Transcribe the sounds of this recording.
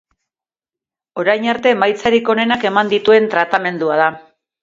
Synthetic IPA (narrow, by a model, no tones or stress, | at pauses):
o̞ɾajɲaɾt̪e̞majt͡saɾiko̞ne̞nake̞mand̪it̪ue̞nt̪ɾat̪ame̞nd̪uaða